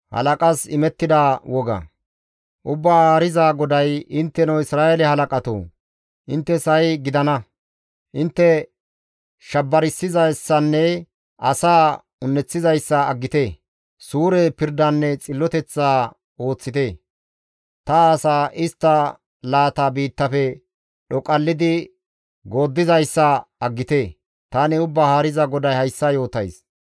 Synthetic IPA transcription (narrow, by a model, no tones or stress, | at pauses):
hɐ̰lɐkʼɐsɪmɛt̪ːɪd̪aːwɔɡɐ̰ | ʔʊbːaːaːɾɪzaːɡɔd̪ɐjɪnt̪ːɛnɔwɪsɾaːelɛhɐlɐkʼɐt̪o̰ː | ʔɪnt̪ːɛsɐjɡɪd̪ɐnɐ | ʔɪnt̪ːɛ | ʃɐbːɐɾɪsːɪzɐjsːɐnːɛ | ʔɐsaː | ʊnːɛt͡sːɪzɐjsːɐːɡːɪt̪eː | suːɾɛpɪɾd̪ɐnːɛt͡sʼɪlːɔt̪ɛt͡sːaː | o̞ːt͡sːɪt̪eː | t̪ɐːsaːʔɪst̪ːɐ | laːt̪aːbiːt̪ːɐfɛ | ɗɔkʼɐlːɪd̪ɪ | ɡo̞ːd̪ːɪzɐjsːɐɐɡːɪt̪e̞ː | t̪aːnɪʊbːaːhaːɾɪzɐɡɔd̪ɐjhɐjsːɐjo̞ːt̪ɐjs